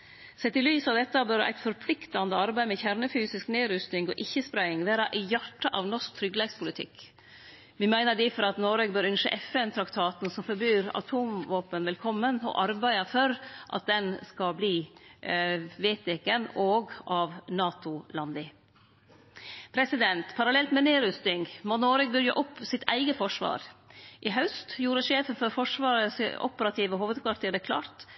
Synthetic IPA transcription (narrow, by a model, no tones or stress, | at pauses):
sɛt̪ːɪlyːsɑʋd̪ɛt̪ːəbøːɾʔæ̰ɪt̪fɔɾpʰlɪkt̪ɑnd̪əɑɾbæɪmɛçæɾɳəfyːsɪskneːɾʉst̪ɪŋɔ̰ːʔɪçːəspɾæɪɪŋʋæːɾɑʔɪjɑʈːɑʔɑʋnɔʂk̚t̪ʰɾʏɡleːɡspʰʊlɪt̪ʰɪ̰k | ʋɪmæɪnəɖɪfɔɾɑt̪noɾeːɡ̚bøːɾʉnʃə̰ʔɛfɛnt̪ʰɾɑkt̪ʰɑːt̪n̩sɔmfɔɾbyːɾɑ̰t̪ʰuːmʋoːpənʋɛlkʰɔmːənɔ̰ʔɑɾbæɪɑfɔɾʔɑ̰t̪̚d̪ɛnskɑbliː | ʋeːt̪ɛkənoːɡʔɑʋnɑːt̪ʊlɑnd̪ɪ | pʰɾɛsɪd̪ɛnt̪pʰɑɾɑlɛlt̪mɛneːɾʉst̪ɪŋɡmonoːɾəɡ̚bʏɾjəʔʊpːsɪt̪æ̰ɪɡəfɔʂʋɑ̰ːɾʔɪɦɑʉst̪juːɾəʃeːfənfɔɾfɔʂʋɑːɾəsɔ̰pəɾɑt̪ʰiːʋəɦuːʋəd̪kʰʋɑɾʈt̪ʰiːd̪ɛkʰlɑ̰ːɾt̪